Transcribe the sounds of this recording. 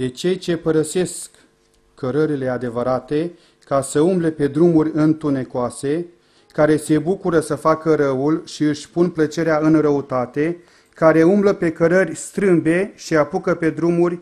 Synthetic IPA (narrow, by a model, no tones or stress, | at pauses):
d̪e̞t͡ʃe̞jt͡ʃe̞pəɾəse̞skː | əɾəɾile̞ad̪e̞vəɾat̪e̞ | kasəumble̞pe̞d̪ɾumurʲɨnt̪une̞koase̞ | kaɾe̞se̞bukuɾəsəfakəɾəulʃiɨʃʲpunplət͡ʃe̞ɾeaɨnrəut̪at̪e | kaɾe̞umbləpe̞kəɾərʲst̪ɾɨmbe̞ʃiapukəpe̞d̪ɾumurʲ